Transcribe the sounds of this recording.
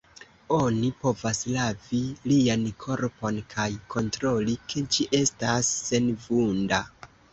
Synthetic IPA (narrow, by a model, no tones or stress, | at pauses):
o̞nipo̞vaslaviliankʰo̞ɾpo̞nkʰajkʰo̞ntɾo̞likʰe̞d͡ʒiʔe̞stasːe̞nvunda